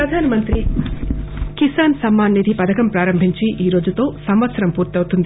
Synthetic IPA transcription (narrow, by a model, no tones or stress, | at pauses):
ɾɐd̪ʱaːnɐmɐnt̪ɾi | kisaːnsɐmːaːnːid̪ʱipɐd̪ɐkɐmpɾaːɾɐmbʱiɲt͡ʃiʔiːɾo̞ːd͡ʒut̪o̞ːsɐmʋɐt̪sɐɾɐmpuːɾt̪iɐwt̪und̪i